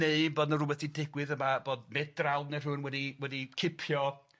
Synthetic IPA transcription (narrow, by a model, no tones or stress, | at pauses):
eɨboːdnərʊwɛθidɪɡwɨðəmab̥oːd̚mɛdralˠnɛr̥ʊːnwɛdiwɛdikʰɪpʰjɔ